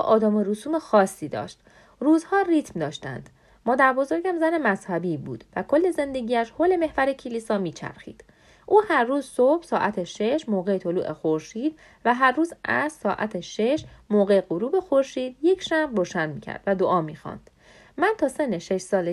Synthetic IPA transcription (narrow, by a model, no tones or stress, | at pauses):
ʔɒːd̪ɒːmeɾusuːmexɒːsːiːd̪ɒ̰ːʃt̪ | ruːzhɒːrit̪ʰmd̪ɒːʃt̪æ̰nd̪̥ | mɒːd̪æɾbo̞zo̞ɾɟæmzæne̞mæzhæbiːbṵːd̪̥vækʰo̞lːe̞ze̞nd̪e̞ɟiːæʃhoːle̞me̞hvæɾecʰelisɒːmiːt͡ʃʰæ̰ɾxḭːd̪̥ | ʔuːhæɾːuːzsob̥sɒːʔæt̪ʰeʃe̞ʃmoːɣeet̪ʰolṵːʔexo̞ɾʃiːd̪̥̚ | væɦæɾːuːzæzsɒːʔæ̰t̪ʰeʃe̞ʃmoːɣeeɢoɾuːbe̞xo̞ɾʃiːd̪̥je̞cʰʃæmbroːʃænd̪miːcʰæ̰ɾd̪væd̪oʔɒːmiːxɒ̰nd̪̥ | mænt̪ʰɒːsenːeʃe̞ʃsɒːle